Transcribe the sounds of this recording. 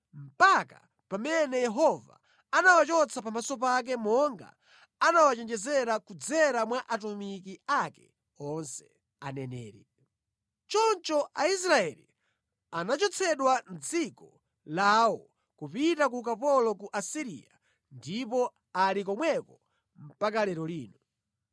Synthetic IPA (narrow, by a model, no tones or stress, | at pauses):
m̩paka̰ | pamɛnɛjɛɦɔva̰ | anawat͡ʃɔt͡sʰapamasɔp̬ak̬ɛmɔŋɡa̰ | anawat͡ʃɛnd͡ʒɛzɛɾakud͡zɛɾamwaʔatumikiakɛ̰ | ɔnsɛ̥ | anɛnɛːɾɛ | t͡ʃɔnt͡ʃɔʔais̬ɾaɛlḭ | anat͡ʃɔt͡sʰɛɗwan̩d͡zikɔ | laːwɔ | kupitak̬ukapɔlɔkuʔasiɾḭa̰ | ndipɔ | alik̬ɔmwɛkɔ | m̩pakalɛɾɔliːnɔ